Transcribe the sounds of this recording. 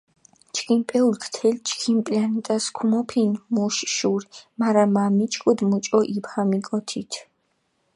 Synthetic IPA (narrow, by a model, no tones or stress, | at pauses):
t͡ʃʰkʰimpʼɛulkʰt̪ʰɛlt͡ʃʰkʰimpʼlanɛt̪ʼaskʰumɔpʰinmuʃʃuɾmaɾamamit͡ʃʼkʼud̪mut͡ʃʼɔʔipʰhamikʼɔt̪ʰit̪ʰ